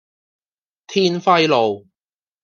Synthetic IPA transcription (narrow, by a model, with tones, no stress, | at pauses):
t̪ʰiː˥nfɐ˥jlo˨˩w